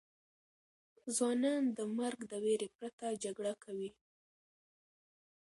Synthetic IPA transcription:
zwɑnɑnd̪əmaɾɡd̪əweɾepɾat̪ad͡ʒaɡɽakʰawi

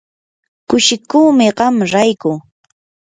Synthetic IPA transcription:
kʊʃɪkuːmɪɢɑmɾajkʊ

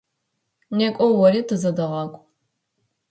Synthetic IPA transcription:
nekʷʼɔwɐɾiːtʰɨzɐdɨʁɑkʷʼ

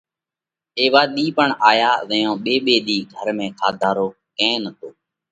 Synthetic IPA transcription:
eːʋaːɗ̪iːpəɳaːjaːʋəjõːɓeːɓeːɗ̪iːɡʱəɾmẽːkʰaːd̪ʱaːɾoː | kẽːnət̪ʰoː

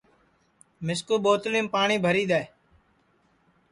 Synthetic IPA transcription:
mɪskuːɓoːt̪lĩːmpaːɳiːbʱəɾiːɗ̪aː

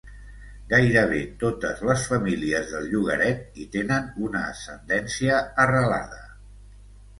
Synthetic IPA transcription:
ɡajɾəβ̞et̪ot̪əzləsfəmiliəzðəlˠʎuɣ̞ə̰ɾɛt̪̚it̪enənunəːsənd̪ɛnsiəːrəla̰ð̞ə

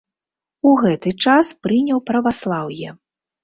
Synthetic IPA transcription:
uɣɛt̪ɨt͡ʂaspɾɨnʲɐwpɾɐvaslˠawjɛ

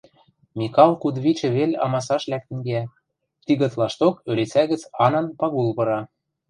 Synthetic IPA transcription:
mʲikɑlˠkud̪βit͡ɕɘ̆βelʲɑ̰mɑsɑʃlæk̚t̪ɘ̆ŋɡæ | t̪iɣɤ̆t̪lɑʃt̪okølet͡sæɣɘ̆t͡sɑnɑnpɑɣulβɤ̆ɾɑ

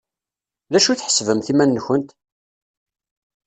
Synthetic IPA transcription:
ðæʃuθħə̥svəmθimænːçənt̪

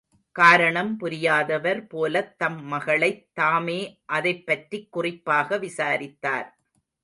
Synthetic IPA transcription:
kaːɾɐɳɐmpʊɾɪjaːðɐʋɐɾpoːlɐt̪ːɐmːɐɣɐɭɐɪt̪ːaːmeːʔɐðɐɪpːɐʈrikːʊrɪpːaːɣɐʋɪsaːɾɪt̪ːa̰ːɾ

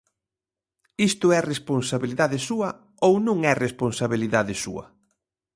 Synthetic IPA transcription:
ist̪ʊɛresponsaβiliðaðɪsuɐ | ownũŋɛresponsaβiliðaðɪsṵɐ̰

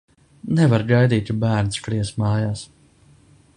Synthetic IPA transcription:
nɛvaɾɡajd̪iːt̪ʲbæːɾnskliɛsmɑːjaːs

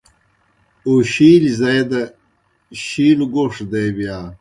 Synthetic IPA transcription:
oɕiːlizɐjd̪ɐ | ɕiːluɡoʂd̪ejbijaː

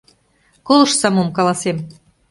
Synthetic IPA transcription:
kolɤ̆ʃsɑmomkɑlˠɑsem

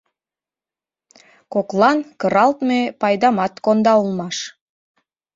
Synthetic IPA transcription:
koklˠɑnkəɾɑlt̪mepɑjd̪ɑmɑt̪kond̪ɑulˠmɑʃ

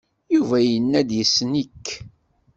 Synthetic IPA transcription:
juvæjənːæd̪jəsːnikː

